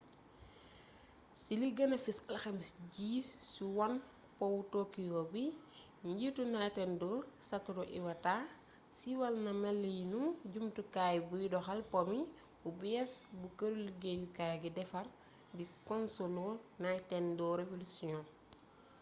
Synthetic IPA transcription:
siliɡɐnɐfisɐlxɛmsɟiːsiwɐn | pɔwutokijobi | ɲɟitunajtɛndɔːɾsɐtːuɾɔʔḭwɐtaː | siwɐlnɐmɛlːijinuɟumtukajbujidɔxɐlpɔmi | ubjɛsbukɐɾuliɡebikaːjɡidɛfɐr | dikɔnsɔlɔnajtɛndɔɾefulisiɲɔ

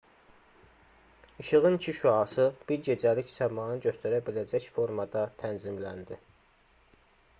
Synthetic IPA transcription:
iʃɯʁɯnt͡ʃʰiʃuɑsɯb̥iɾɟe̞d͡ʒælicsæmɑːnɯɟøst̪ʰæɾæbilæd͡ʒæcfo̞ɾmɑd̪ɑt̪ʰænzimlænd̪i

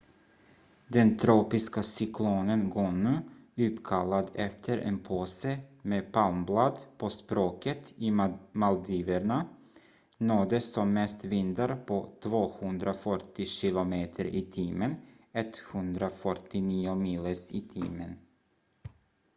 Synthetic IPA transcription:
d̪ɛnt̪ʰɾoːpɪskasʏkʰloːnənɡɔnʉʉ̟ːpkʰalːad̪ɛft̪ʰəɾʔḛnpʰoːsəmeːpʰalmblad̪pʰospɾoːkət̪ɪmald̪iːvəɳa | noːd̪əsɔmːɛst̪vɪnd̪aɾpʰot̪ʰvoːhɵnd̪ɾafœʈːɪɕɪlʊmeːt̪ʰəɾʔɪt̪ʰiːmən | ɛt̪hɵnd̪ɾafœʈːɪniːʊmiːləsɪːt̪ʰḭːmən

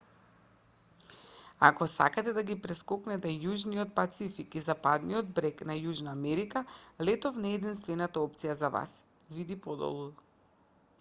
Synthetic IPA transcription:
a̰kɔsa̰kat̪ɛd̪aɡipɾɛskɔknɛt̪ɛjuʒniɔt̪̚pat̪sifikizapad̪nijɔd̪̚bɾɛknajuʒnaːmɛɾikalɛt̪ɔfnɛɛːd̪inst̪vɛnat̪aɔp̚t̪sijazava̰s | vid̪ipɔd̪ɔ̰lˠu

